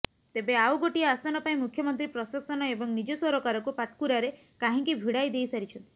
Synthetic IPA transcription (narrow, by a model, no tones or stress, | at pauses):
t̪ebeawɡoʈiaasanɔpaĩmukʰjɔmɔnt̪ɾipɾɔsasɔnɔebɔŋnid͡ʒɔswɔɾɔkaɾɔkupaʈ̚kuɾaɾe | kaɦĩŋkibʱiɽajd̪ejsaɾit͡ʃʰɔnt̪i̥